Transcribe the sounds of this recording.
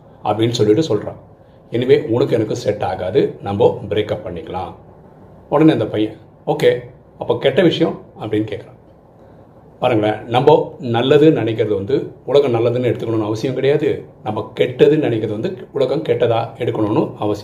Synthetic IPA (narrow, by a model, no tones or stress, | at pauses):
ʔɐ̰pːɐɽɪnːɯsɔlːɪʈːɯsɔlɾã̰ː | ɛnːɐʋeːʊnɐkːɯɛnɐkːɯ̃sɛʈːaːɣaːðɯnɐmboːbɪɾeːkɐpːɐɳːɪkːɐɭã̰ː | ɔɽɐneɐnd̪ɐpɐjɐ̃ | oːkeː | ɐpːoːkɛʈːɐʋɪʂɐjɐ̃ɐpːɐɽɪnːɯkeːkɐɾãː | paːɾɯŋɡɐɭɐ̰nɐmboːnɐlːɐðɯnɪnɛɪk̬ːɪɾɐðɯʋɐnd̪ɯʊɭɐɣɐmnɐlːɐðɯnɯɛɽɯt̪ɯkːɐɳoːnɯɐʋɐsɪjɐ̃mkɪɽɐjaːðɯnɐmbːɐkɛʈːɐðɯnɐnɪkːɪɾɐðɯʋɐnd̪ɯʊɭɐɣɐ̃mkɛʈːɐðãːɛɽɯkːɐɳoːnːɯɐʋɐsɪjɐ̃